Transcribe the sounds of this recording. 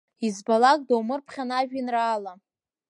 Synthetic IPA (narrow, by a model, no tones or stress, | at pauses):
izbalakʼdawmɨrpʰχʲanaʒᶣinraːla